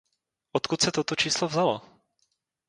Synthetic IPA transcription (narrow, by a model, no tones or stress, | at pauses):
ʔot̪kut̪sɛt̪ot̪ot͡ʃiːslovzalo̰